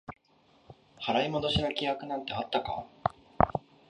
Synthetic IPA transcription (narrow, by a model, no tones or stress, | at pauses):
haɾaimo̞d̪o̞ɕiɾakʲijakɯ̟nãnt̪e̞at̪ːaka̰